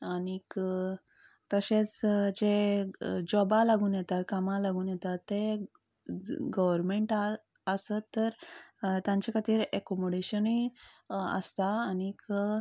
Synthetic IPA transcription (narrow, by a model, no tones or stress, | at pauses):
anik | t̪əɕẽt͡sd͡ʑe | d͡ʑɔbalaɡuːnjɛt̪at̪̚kamalaɡuːnjɛt̪at̪ːe | ɡəʋəɾmeɳʈa | əsət̪ːəɾt̪jãɲt͡ɕakʰət̪iːɾɛkɔmoɖeɕəni | ə̰st̪aːnik